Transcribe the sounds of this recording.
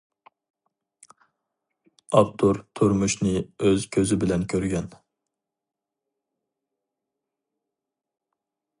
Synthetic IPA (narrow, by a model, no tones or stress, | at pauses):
ɑpt̪ʰuɾt̪ʰuɾmuʃnɪøzkʲʰøzɪbɪlɛnkʲʰøɾɡʲɛn